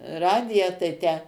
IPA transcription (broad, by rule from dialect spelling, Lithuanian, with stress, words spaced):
ˈrɑːdʲɪjæː tɐɪ ˈtʲæː